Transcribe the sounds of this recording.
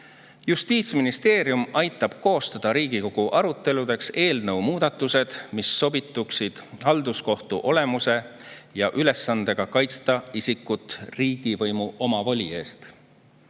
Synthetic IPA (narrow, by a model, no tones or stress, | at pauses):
just̪iːt̪sminist̪e̞ːɾjumɑjt̪ːˑɑb̥ko̞ːst̪ɑd̪̥ɑɾiːɡiko̞ɡ̥uʔɑɾut̪ːˑe̞lud̪e̞kse̞ːlnɤwmuːd̪̥ɑt̪ːˑuse̞d̪̥misːo̞bit̪ːˑuksid̪̥hɑld̪̥usko̞ht̪uʔo̞le̞muse̞ | jɑʔyle̞sːɑnd̪̥e̞ɡ̥ɑkɑjt̪st̪ɑisikːˑut̪ˑriːɡ̥ivɤjmuʔo̞mɑvolʲie̞ːst̪